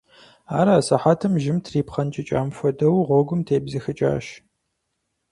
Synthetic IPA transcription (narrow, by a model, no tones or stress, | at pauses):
aːɾɐːsɐħaːtʰɨmʒɪmtʰriːpχɐnt͡ʃʼɪt͡ʃʼa̰ːmfɔdɐwʁʷɔɡʷʊmtʰeːbzɐxɨt͡ʃʼa̰ːʃ